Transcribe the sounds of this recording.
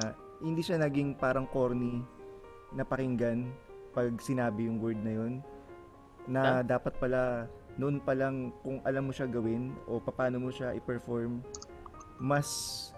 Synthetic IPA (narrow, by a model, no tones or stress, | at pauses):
hɪnd̪iːʃanɐɡiŋpaːɾɐŋko̞ɾni | nɐpɐkɪŋɡan | pɐɡ̚sɪnaːbɪjʊŋwɛɹd̪̚nɐjo̞n | ɐd̪aːpɐt̪̚pɐla | noʔonpɐlɐŋkʊŋʔɐlamːoʃaɡɐwɪnʔo̞pɐpaːno̞moʃaʔɪpɛɹfoɹmː | ɐs